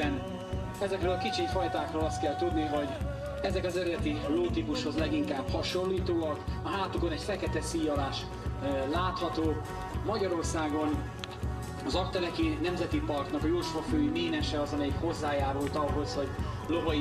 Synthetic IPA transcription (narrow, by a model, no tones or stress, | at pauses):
ɛn | ɛzɛkrøːlɒkit͡ʃifɒjt̪aːkroːlɒst̪kɛlt̪ud̪niɦɔɟ | ɛzɛkɒzɛɾɛt̪iloːt̪ipuʃho̞zlɛɡiŋkaːbhɒʃo̞nliːt̪oːɒkɒɦaːt̪uko̞nɛcfɛkɛt̪ɛsiːjɒlaːʃ | laːt̪hɒt̪oː | mɒɟɒɾo̞rsaːɡo̞n | ɒzɒkt̪ɛlɛkinɛmzɛt̪ipɒrk̪nɒkɒjuːʃʋɒføːjimeːnɛʃɛɒzɒmɛjikho̞zːaːjaːɾult̪ɒɦo̞sho̞ɟ | lo̞vɒ